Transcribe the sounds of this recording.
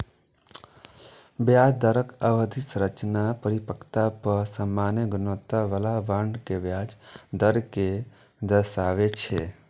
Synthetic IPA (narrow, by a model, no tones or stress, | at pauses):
bjaːd͡ʒd̪əɾəkəʋəd̪ʱisɾət͡ʃnapəɾipəkʰt̪apəɾsəmːaːneɡʊnot̪aʋəlaʋəɳɖkeʋjad͡ʒd̪əɾke | d̪əʃaʋet͡ʃʰe